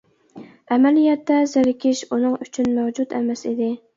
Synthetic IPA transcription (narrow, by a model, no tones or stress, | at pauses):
ɛmɛlijɛt̪ːɛzɪɾɪkʲʰɪʃunɨŋyt͡ʃʰynmæwd͡ʒut̪ɛ̰mɛsid̪ɪ